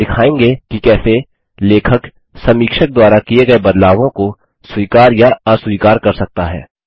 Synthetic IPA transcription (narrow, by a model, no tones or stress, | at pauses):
ɪkʰaːẽːŋɡekikɛːse | leːkʰək | sɐmiːkʃək̚d̪waːɾakieɡɐebɐd̪laːʋõko | swiːkaːɾjaaswiːkaːɾkɐɾsɐk̚t̪aɦɛ̰ː